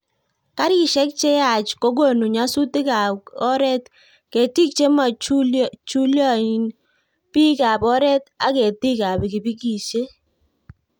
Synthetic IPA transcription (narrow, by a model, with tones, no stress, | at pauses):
ka˦ɾɪ˨ʃɛ˦k̚t͡ʃe˦a˨t͡ʃko˦ɡo˦˨nu˨ɲa˦su˦ti˦ka˨kɔ˦ɾɛ˦t | ke˨ti˦k̚t͡ʃe˦ma˨t͡ʃu˦t͡ʃu˦ljɔ˦˨i˨n | pi˦ka˨pɔ˦ɾɛ˦ta˦ke˨ti˦ka˨bɪ˨ki˨bi˦ki˦˨t͡ʃe˦